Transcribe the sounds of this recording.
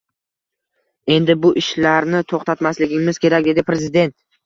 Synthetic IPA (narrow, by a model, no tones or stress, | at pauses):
e̞nd̪ɪbʊʔɪʃlaɾnɪt̪ʰoχt̪ʰat̪maslɪɡʲɪmɪz̥kʲʰe̞ɾak̚ʲd̪e̞d̪ɪpɾe̞zɪd̪e̞nt̪